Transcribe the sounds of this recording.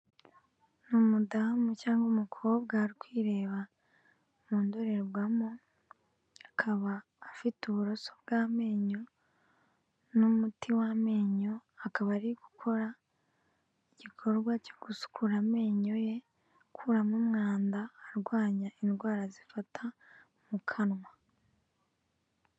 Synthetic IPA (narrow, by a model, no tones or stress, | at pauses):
numudamucaːŋɡumukʰo̞ːbɡaːɾikwiːɾe̞ːβa | muːndoɾe̞ɾɡɡwamo | akʰaβaː | fituβuɾo̞so̞b̚ɡaːme̞ːɲo̞ | numutiwame̞ːɲo̞akaβaɾiɡ̥ukʰo̞ɾa | iɟikʰo̞ɾɡwacoɡ̥usu̥kʰuɾame̞ːɲo̞je̞ | kʰuːɾamumŋaːndaːɾɡwaːɲaʔindɡwaːɾazifatʰa | mukʰanwa